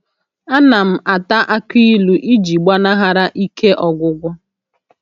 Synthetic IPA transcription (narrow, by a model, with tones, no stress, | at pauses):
a˦na˨m̩˨a˨ta˦ʔa˦ki˦lu˨ʔi˦d͡ʒi˨ɡ͡ba˦na˦ɦa˦ɾa˦ʔi˦kʰe˦ʔɔ˨ɡʷʊ˨ɡʷɔ˦